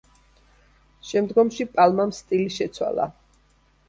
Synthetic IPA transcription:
ʃɛmd̪ɡɔmʃipʼalˠmamst̪ʼiliʃɛt̪sʰwa̰lˠa̰

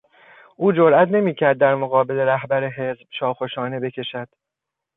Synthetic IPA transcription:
ʔuːd͡ʒoɾʔæt̪ʰne̞miːcʰæɾd̪̚ːæɾmoɣɒːbe̞le̞ɾæhbæɾeɦe̞zb̥ʃɒːxoʃɒːne̞be̞cʰeʃæd̪̥

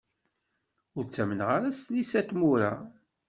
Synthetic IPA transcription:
ʊɾt͡sːæmənʁaɾæsnisæt̪muɾa̰

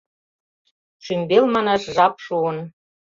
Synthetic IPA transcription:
ʃymbelmɑnɑʃʒɑpʃuən

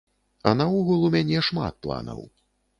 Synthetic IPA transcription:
ɐnɐuɣulˠumʲanʲɛʂma̰t̪̚plˠa̰nɐ̰w

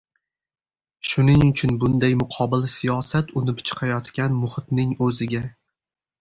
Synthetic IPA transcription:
ʃʊnɪŋʊt͡ʃʰʊnbʊnd̪ajmʊqʰɒbɪlsijɒsat̪ʊnɪpt͡ʃʰɨ̥qʰɑjɒt̪kʲanmʊχɪt̪nɪŋɵzɪɡʲa

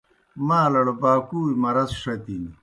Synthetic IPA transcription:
maːlɐɽobaːkuːimɐɾɐzʂɐt̪ini

